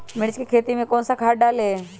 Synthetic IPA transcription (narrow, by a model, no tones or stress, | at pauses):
mɪɽt͡ʃkikʰeːt̪imẽkoːnsakʰaːɖaːleː